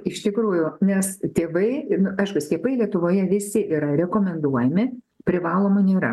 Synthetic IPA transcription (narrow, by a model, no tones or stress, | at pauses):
ɪʃt̪ʲɪkɾuːjʊnʲɛst̪ʲeːʋɐɪnʊʔɐɪʃkʊsʲk̪ʲiːpɐɪlʲiɛt̪ʊʋoːjɛʋʲɪsʲɪʔiːɾɐɾʲɛkoːmʲɛnd̪uɔjɛmʲɪ | pʲɾʲɪʋɑːlˠoːmɐnʲeːɾɐ̰